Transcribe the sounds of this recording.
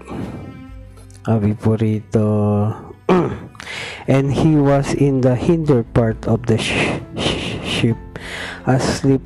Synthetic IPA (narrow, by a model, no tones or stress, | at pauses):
ʔɐbipɔɾit̪o | ʔɛ̃nd̪hiwasɪ̃nd̪ɐhɪ̃nd̪ɛɹpaɹt̪ɔvd̪ɐ | ʃɪp̚ʔɐslip